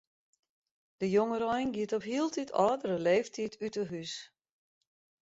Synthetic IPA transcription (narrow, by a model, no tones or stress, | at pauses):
d̥əjoŋəɾɔjnɡiətɔpɦiəlˠtʰitʰɔ̰ːdərəleːftʰitʰytəɦys